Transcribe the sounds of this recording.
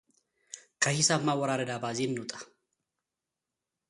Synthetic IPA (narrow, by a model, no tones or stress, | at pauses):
kʰʼɐhɪsɐːmːaːwɐɾaːɾɐd̪aːbaːziːnːʊt̪ʼɐ̥